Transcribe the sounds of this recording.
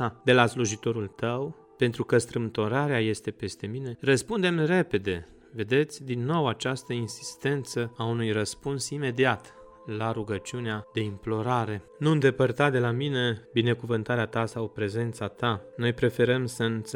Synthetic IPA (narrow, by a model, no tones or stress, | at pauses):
ad̪e̞lasluʒit̪o̞ɾult̪əw | pe̞nt̪ɾukəst̪ɾɨmt̪o̞ɾaɾeaje̞st̪e̞pe̞st̪e̞mine̞rəspund̪e̞mre̞pe̞d̪e̞ | ve̞d̪e̞t̪sʲd̪inːo̞wat͡ʃast̪əinsi̥st̪e̞nt̪səaunujrəspunsime̞d̪iat̪ | laɾuɡət͡ʃiunead̪e̞implo̞ɾaɾe̞ | nund̪e̞pərt̪at̪d̪e̞lamine̞bine̞kuvɨnt̪aɾeat̪asawpɾe̞ze̞nt̪sat̪ano̞jpɾe̞fe̞ɾəmsəɨn